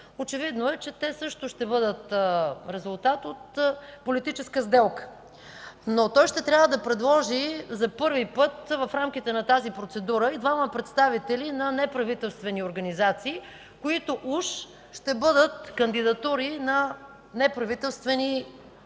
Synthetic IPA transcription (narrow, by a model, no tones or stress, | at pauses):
ot͡ʃɛvid̪noɛt͡ʃɛt̪ɛsɤʃt̪ʊʃt̪ɛbɤd̪ət̪ɾɛzʊlˠt̪at̪ot̪polit̪it͡ʃɛskəzd̪ɛlˠkə̥ | not̪ɔjʃt̪ɛt̪ɾʲjavəd̪ɐpɾɛd̪lˠɔʒizɐpɤɾvipɤt̪vɐfɾamk̟ʲit̪ɛnɐt̪azipɾot̪sɛd̪uɾəid̪vaməpɾɛt̪st̪avit̪ɛlinɐnɛpɾɐvit̪ɛlˠst̪vɛnioɾɡɐnizat̪siː | koit̪oʔuʃ | ʃt̪ɛbɤd̪ət̪̚kɐnd̪id̪ɐt̪uɾinɐ | nɛpɾɐvit̪ɛlˠst̪vɛni